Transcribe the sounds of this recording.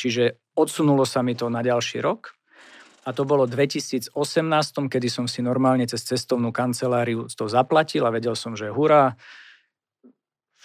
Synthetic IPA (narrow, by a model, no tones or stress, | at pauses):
t͡ʃiʒɛ | ɔt̪sunulɔsamit̪ɔnaɟalʃḭːɾɔk | at̪ɔbɔlɔd̪ʋɛcisiːd͡zɔsɛmnaːst̪ɔmkɛd̪isɔmsinɔɾmaːlɲɛt͡sɛst͡sɛst̪ɔʊnuːkant͡sɛlaːɾiut̪ɔzaplacilaʋɛɟɛlsɔmʒɛɦuɾa